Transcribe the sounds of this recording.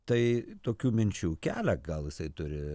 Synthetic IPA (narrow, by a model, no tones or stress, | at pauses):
t̪ɐɪt̪oːkʲuːmʲɪnʲt͡ʃʲuːkʲæːlʲæɡɐlˠjɪsɐɪt̪ʊɾʲɪ